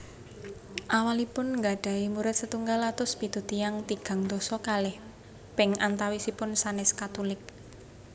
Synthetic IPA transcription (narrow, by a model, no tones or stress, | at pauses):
ʔawalipʊnŋɡaɖ̥a̤imuɾɪt̪̚sət̪uŋɡalat̪ʊspit̪ut̪ijaŋt̪iɡ̥a̤ŋd̪osɔkalɪh | b̥ɛŋʔant̪awisipʊnsanɪskat̪ulɪk̚